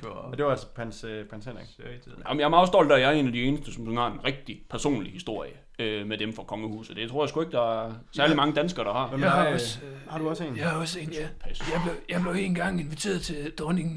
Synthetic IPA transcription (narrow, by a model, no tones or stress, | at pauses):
d̥eʋɑælspʰɛnspʰʁɛnsenɛ̥st͡sʰiðˠæmjɑ̈mɑ̈ʊsd̥ɒ̽l̰d̥æɐjæe̝̰ːnæd̥ie̝ːnəsd̥əsɒ̽mønhɑ̈enʁeɡ̥̚d̥ipʰæɐso̝̰ːnlihisd̥o̝ɐ̰jə | ømed̥emfʁɑ̈kʰɒ̽ŋəhṵːs̩d̥e̝t͡sʰo̝ɐ̰jɑ̈sɡ̥ue̝ɡ̥əd̥ɑ̈æɐsæɐlimɑ̈ŋəd̥ænsɡ̥ɐːɾ̥ɑ̈hɑ̈shɑ̈d̥uɒ̽sḛːnɔsḛːnjæpʰæsjɑɪb̥lejɑ̈ɪb̥le̝ʊe̝ːn̩ɡ̥ɑ̈ŋ̰e̝nʋit͡sʰe̝̰ːɐð̩ˠt͡sʰe̝d̥ɒniŋ